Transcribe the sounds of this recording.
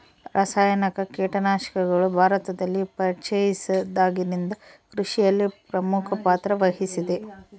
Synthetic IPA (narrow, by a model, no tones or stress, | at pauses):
ɾʔɐsaːjɐnɐkɐkɛːʈɐnaːʃɐ̥kɐɡɐɭubʱaːɾɐt̪ɐd̪ɐlːipɐt͡ʃɐjisɐd̪aːɡinind̪ɐkɾuʂijɐlːipɾɐmukʰɐpaːt̪ɾɐʋɐɦisid̪e̞